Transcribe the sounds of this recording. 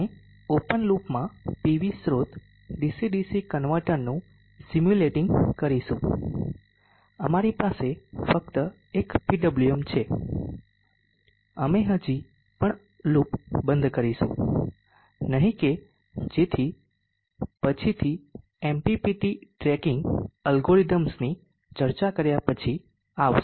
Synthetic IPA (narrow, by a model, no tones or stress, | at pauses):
e | opənlupmãpiʋisɾot̪ | ɖisiɖisikənʋəɾʈəɾnũ | simjuleʈɪŋɡkəɾiʃũ | əmaɾipasefəkt̪ə | ekpiɖəbluəmt͡ʃʰe | əmeɦəd͡ʒi | pəɳ | lupbə̃nd̪kəɾiʃṵ̃ | nəɦĩke | d͡ʒet̪ʰi | pət͡ʃʰit̪ʰi | empipiʈiʈɾɛkɪ̃ŋɡəlɡoɾid̪əmsni | t͡ʃəɾt͡ʃakəɾjapət͡ʃʰi | aʋʃ